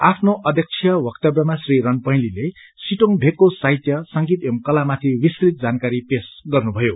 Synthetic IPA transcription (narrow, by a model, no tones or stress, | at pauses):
apʰnoʔʌd̪ʱjʌk̚t͡sʰjʌbʌkt̪ʌbjʌmasriɾʌnpʌj̃lile | siʈoŋbʱekːosajt̪jʌsʌŋɡit̪emkʌlamat̪ʰiwiskrit̪̚d͡zankaɾipesɡʌrnubʱʌjo